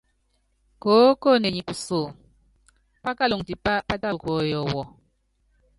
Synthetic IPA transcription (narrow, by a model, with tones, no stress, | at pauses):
koː˨˦ko˦˨ne˨ɲi˨ku˨so˨ | pa˦ka˦lo˨ŋti˨pa˦pa˦ta˦˨koː˨˦jɔ˨wɔ˨